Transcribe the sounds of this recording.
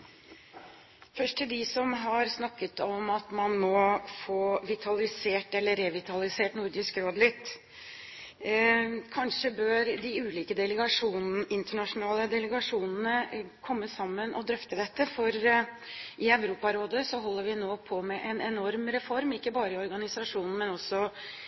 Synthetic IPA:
fœʂʈ̪ʰɪld̪ɪsɔmɦɑɾsnɑkːət̪ɔmɑt̪mɑnmɔfoːʋɪt̪ʰɑlɪseːʈɛlːəɾɛʋɪt̪ɑlɪseːʈnʊɾɖɪskɾoːd̪lɪt̪ː | kʰɑnʂəbøːɾd̪ɪʉːliːkəd̪ɛləɡɑʂuːnʔɪnt̪əɳɑʂʊnɑːləd̪ɛləɡɑʂuːnnəkʰɔmːəsɑmːənʔɔ̰d̪ɾœft̪əd̪ɛt̪ːəfɔɾ | ʔɪɑʋɾuːpɑɾoːd̪əsɔɦɔlːəɾʋɪnoːpʰɔmɛʔɛnɛnɔɾmɾɛfɔɾmɪkːəbɑːɾəɪɔɾɡɑnɪsɑʂuːnn̩mɛnɔsːɔ

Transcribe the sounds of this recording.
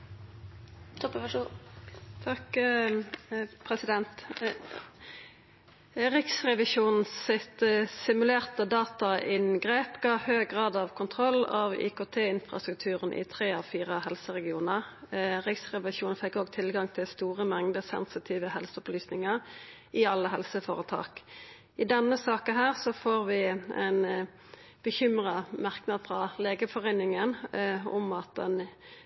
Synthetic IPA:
t̪ʰɔpəʋʂu | t̪ʰɑk | pʰʁɛsɪd̪ɛnt̪ | ʁɪksʁɛʋɪʃuːnn̩sɪt̪sɪmʉleːʁt̪əd̪ɑːt̪ɑʔɪnɡʁeːpɡɑːhøːɡʁɑːd̪ɑʋkʰʊnt̪ʰʁɔlːɑ̰ːʋḭːkoːt̪ʰeːɪnfʁɑ̰st̪ʁʉk̚t̪ʰʉːʁənʔɪ̰t̪ʰʁeːɑfiːʁəhɛlsəʁɛɡɪuːnəʁʁɪksʁɛʋɑʃuːnfɛkːoːɡ̚t̪ʰɪlɡɑŋt̪ʰɪlst̪uːʁəmɛŋd̪əsɛ̰nsɪt̪ʰiːʋəhɛlsəɔplyːsnɪŋəʁ | ɪɑlːəɦɛlsəfoːʁət̪ʰɑ̰ːk | ɪd̪ɛnːəsɑːkəɦæːʁsɔfoːʁʋɪæ̰ɪn | b̥əçʏmʁɑmɑʁknɑːd̪fʁɑleːɡəfɔʁeːnɪŋənʊ̰mɑt̪̚d̪ɛ̰n

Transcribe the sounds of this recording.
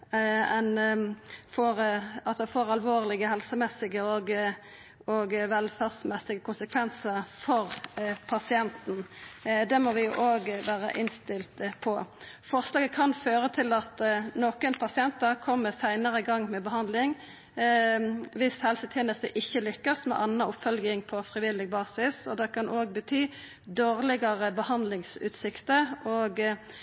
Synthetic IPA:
ɛn | fɔːɾɑt̪d̪ɛfoːɾɑlʋoːʁlɪɡəɦɛlsəmɛsːɪɡəɔɡ | ɔɡʋɛlfæʁsmɛsːɪɡəkʊnsəkʰʋɛnsəfɔɾpʰɑsɪɛnt̪n̩d̪ɛmɔʋɪjʊʔoːɡʋæːʁə̰ʔɪnst̪ɪlt̪əpʰɔfɔʁslɑːɡəkʰɑnføːɾət̪ʰɪlɑt̪noːkənpʰɑsɪɛnt̪əʁkʰɔmːəsæɪnəʁəɪɡɑŋːmɛbəɦɑnd̪lɪŋ | ʋɪshɛlsət̪ʰjeːnəst̪əʔɪçːəlʏkːəsmɛ̰ʔɑnːɑʊpfœlɡɪŋpʰɔfʁɪʋɪlɪɡ̚bɑːsɪsɔd̪ɛkɑnʔoːɡbət̪ʰyː | d̪oːʁlɪɡɑʁəbəhɑnd̪lɪŋsʉ̰ːt̪sɪkt̪əoːɡ

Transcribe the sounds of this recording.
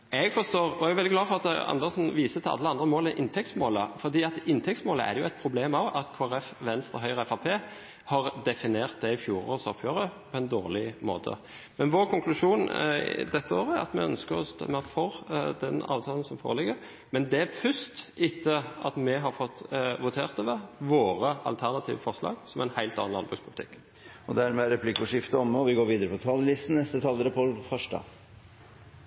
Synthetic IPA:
ɛɡfɔst̪oːʁɔɛɡʋɛlɪɡlɑːfɔʁɑt̪ɑ̰nd̪əsn̩ʋiːsət̪ʰɪlɑ̰lːəɑnd̪ɾəmoːləʔɪnt̪ʰɛk̚tsmoːləfɔɾd̪iːɑt̪ɪnːt̪ʰɛk̚smoːləʔæ̰ɾjʊɛɪt̪̚pʰɾʊbleːmɑʋɑt̪kʰoːæɾɛfʋɛnst̪əɦœʏʁəɛfɑpʰeː | hɑʁd̪ɛfɪneːʁt̪̚d̪ɛɪfjuːɾo̰ːɾsɔpʰjøːɾəpʰɔɛnd̪oːʁlɪmo̰ːt̪ʰə̰ | mɛnʋoːɾkʰʊŋklʉʂuːnd̪ɛt̪ːəo̰ːɾəɑ̰t̪mɛ̰œnskəɔ̰sɔ̰mɛfɔɾd̪ɛnɑ̰ːʋt̪ʰɑːlən̩sɔmfoːʁəlɪɡəʁ | mɛnd̪ɛæfʏst̪ɪt̪ʰːəɑt̪mɛɦɑʁfɔt̪ːʋʊt̪ʰeːʁt̪əʋɛʋoːɾəʔɑ̰lt̪ʰæʁnɑt̪ʰiːʋəfɔʁʂlɑ̰ːɡsɔmæɪnhæɪlt̪ɑ̰nnɑnbʁʉkspʰʊlɪt̪ʰɪkː | ɔd̪æɾmɛæɾɛpʰlɪkːʊʂɪft̪əɔmːəɔʋɪɡoːɾʋiːd̪əɾəpʰɔt̪ʰɑːləlɪst̪n̩nɛst̪ət̪ʰɑlːəɾəpʰɔfœʂʈɑ̰ː

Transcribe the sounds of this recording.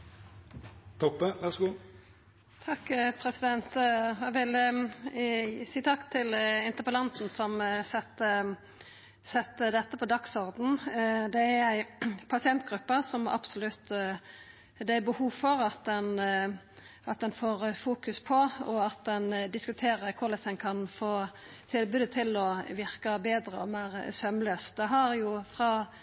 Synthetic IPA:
t̪ʰɔpːəʋæʁsɡuː | t̪ʰɑkːpʰɾɛsɪd̪ɛnt̪æʋɪl | siːt̪ʰɑkːt̪ʰɪlɪnt̪əpəlɑnt̪n̩sɔmsɛt̪ːə | sɛt̪ːəd̪ɛt̪ːəpʰɔd̪ɑksɔʁd̪n̩d̪ɛæɾæɪpʰɑsɪɛnt̪ɡɾʉpːəsɔmɑ̰bsʊlʉt̪ː | d̪ɛæbəhuːʋfɔɾɑt̪̚d̪ɛn | ʔɑt̪̚d̪ɛnfoːɾfuːkʉspʰɔɔɑt̪̚d̪ɛnd̪ɪskʉt̪ʰeːɾəɾkʰʊʁlɛsɛɪnkʰɑnfoː | t̪ʰɪlbʉd̪ət̪ʰɪlɔʋɪʁkɑbeːd̪ɾəɔmeːʁsœmløːsd̪ɛɦɑɾjʊfʁɑː

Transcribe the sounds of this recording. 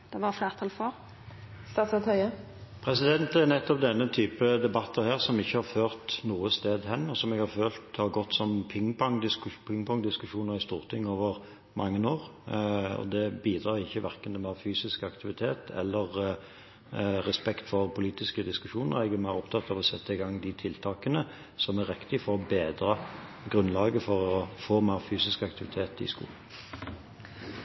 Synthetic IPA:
d̪̥ɛʋɑflæːʁt̪ʰɑlfɔɾ | st̪ɑːt̪sɑt̪hœʏə | pʰɾɛsɪd̪ɛnt̪ɛɾnɛt̪ːɔp̚d̪ɛnːət̪ʰyːpəd̪ɛbɑt̪ːəheːʁsɔmɪçːəhɑʁføːʁt̪nuːəst̪eːd̪hɛnːɔsɔmɛɡhɑɾføːlt̪hɑʁɡɔt̪ːsɔmpʰɪŋpɔŋd̪ɪskpʰɪŋpʊŋd̪ɪskʉʂuːnəɾɪst̪uːʁt̪ʰɪŋːoːʋəʁ | mɑŋːənoːʁ | ɔ̰d̪ɛbiːd̪ʁɑːʁɪçːəʋæʁkənt̪mæːfyːsɪskɑkt̪ʰɪʋɪt̪ʰeːt̪ʰɛ̰lːəʁ | ʁɛspɛkt̪fɔʁpʰʊliːt̪ɪskəd̪ɪskʉʂuːnə̰ʁɛɡæmæɪʁɔpt̪ʰɑt̪ːɑʋɔsɛt̪ːəɪɡɑŋːd̪ɪt̪ʰɪlt̪ʰɑːkənə | sɔmæʁːɪkt̪ɪfɔʁɔbeːd̪ʁɑ | ɡʁʉnlɑːɡəfɔʁɔfoːmæʁfyːsɪskɑkt̪ʰɪʋɪt̪ʰeːt̪ɪ̰skṵːln

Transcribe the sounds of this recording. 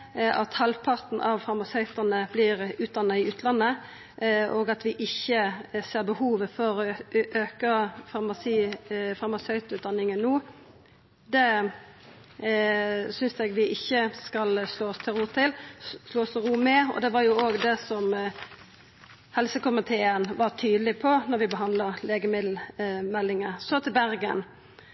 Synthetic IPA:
ʔɑt̪hɑlpʰɑʁt̪nʔɑʋfɑʁmɑsœʏt̪ɑnəblɪɾʉːt̪d̪ɑnːɑɪʉːt̪ʰlɑnːə | ʔoːɡɑt̪ʋɪʔɪçːəseːɾbəhuːʋəfɔɾɔʔøːkəfɑʁmɑsiːfɑʁmɑsœʏt̪ʉːt̪̚d̪ɑnːɪŋənnːuː | d̪ɛ | sʏnsɛɡʋɪʔɪçːəskɑlsloːɔst̪ʰɪɾuːt̪ʰɪlsloːst̪ɛɾuːmɛɔ̰d̪ɛʋɑɾjʊoːɡd̪ɛsɔm | hɛlsəkʊmɪt̪ʰeːənʋɑʁt̪ʰyːd̪əlɪpʰɔnɔɾʋɪbəɦɑnd̪ləɾleːɡəmɪd̪l̩mɛlːɪŋəsɔt̪ʰɪlbæɾɡə̰n

